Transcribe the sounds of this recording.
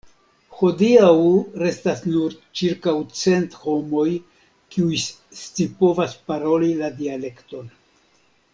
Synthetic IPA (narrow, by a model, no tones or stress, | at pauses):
ho̞diawɾe̞stasnuɾt͡ʃiɾkawt͡se̞ntho̞mo̞j | kiujst͡sipo̞vaspaɾo̞liladiale̞kto̞n